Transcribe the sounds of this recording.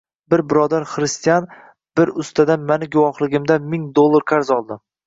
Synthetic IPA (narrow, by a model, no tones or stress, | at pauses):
bɪɾbɪɾɒd̪aɾχɾɪst̪ijan | b̥ɪɾʊst̪ʰad̪amanɪɡʊwɒχlˠɪɡʲɪmd̪amɪŋd̪olˠːaɾqʰaɾzɒlˠd̪ɪ